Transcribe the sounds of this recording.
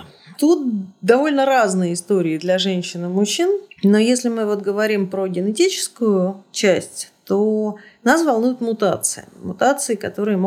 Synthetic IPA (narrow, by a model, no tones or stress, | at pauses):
t̪ut̪̚d̪ɐvo̞lʲnəɾaznɨjəɪst̪o̞ɾʲɪɪd̪lʲɐʐɛnʲɕːɪnɨmʊɕːinnojesʲlʲɪmɨvo̞t̪̚ɡəvɐɾʲimpɾoɡʲɪnɪtʲit͡ɕɪ̥skʊjʊt͡ɕæsʲtʲt̪onasvɐlˠnujʊt̪mʊt̪a̰t̪sɨ̰ɪ̰mʊt̪at̪sɨɪkɐt̪o̞ɾɨjəmo